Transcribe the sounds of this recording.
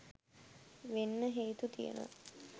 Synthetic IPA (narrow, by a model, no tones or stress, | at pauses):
ʋenːəɦeːt̪ut̪ijə̰no̰